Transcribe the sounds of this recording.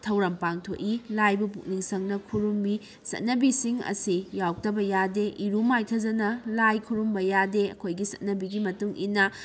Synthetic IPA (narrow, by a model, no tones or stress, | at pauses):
tʰɐwɾɐmpaŋtʰo̰ʔilajbupuk̚niŋsɐŋnɐkʰuɾumbi | sɐ̰t̚nɐbisiŋɐ̰sijawk̚tɐbɐjadeʔiɾumajtʰɐzɐnɐlajkʰuɾumbɐjadeɐ̰kʰojɡisɐ̰t̚nɐbiɡimɐtuŋḭnɐ